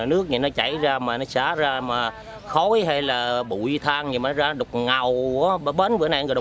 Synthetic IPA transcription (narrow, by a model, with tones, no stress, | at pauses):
nɨ˦˥ək̚ɲɨ˨˩nɔ˨˦t͡ɕa˧˩jzaː˧maː˨˩nɔ˨˦saː˧˩˦zaː˧maː˨˩ | xo˨˦jɦa˧jlaː˨˩ɓṵ˧˩˨jt̪ʰaː˧ŋɲɨ˧˩maː˨˩nɔ˨˦zaː˧nɔ˦ɗʊ˨˩wk͡p̚ŋa˨˩wku˧˩˧ə˧˦ɓə˨˦nvɨ˨˧˦na˧˨ŋː˨˩ɗ